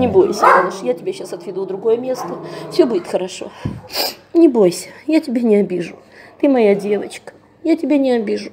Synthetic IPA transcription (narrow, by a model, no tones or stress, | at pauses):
nʲɪbo̞jsʲənanəʂjatʲɪbʲeɕːasɐt̪vʲɪd̪ud̪ɾʊɡo̞jəmʲe̞st̪əfsʲobudʲɪt̪xəɾɐʂo̞̰ | nʲɪbo̞jsʲə̥jatʲɪbʲenʲɪɐbʲiʐʊt̪ɨmɐjadʲe̞vət͡ɕkə̥ | jatʲɪbʲenʲɪɐbʲiʐʊ